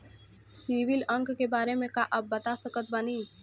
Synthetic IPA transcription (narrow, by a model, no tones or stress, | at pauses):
siːʋɪlɐ̃ŋɡkebaːɾemẽkaʔɐbːɐt̪asəkət̪̚bɐniː